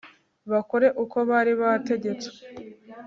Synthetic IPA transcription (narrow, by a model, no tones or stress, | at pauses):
βakoɾe̞ʔuko̞βaːɾiβate̞ɟe̞t͡se̥